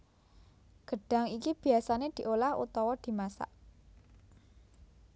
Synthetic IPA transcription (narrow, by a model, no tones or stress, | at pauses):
ɡ̥ə̤ɖ̥ä̤ŋikib̥i̤asaned̪̥i̤ʔolahṵt̪ɔwɔd̪̥i̤masa̰ʔ